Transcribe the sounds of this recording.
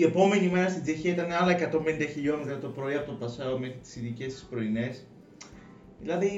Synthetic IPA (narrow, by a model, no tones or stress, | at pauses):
ie̞po̞me̞nimeɾɐst̪inzeçiɐit̪ɐneɐlɐekɐt̪o̞mbenid̪ɐçiʎo̞nezɐt̪opɾo̞iɐpt̪opɐsɐome̞xɾit̪i̥siðice̞st̪i̥spɾo̞ine̞s | ðilɐði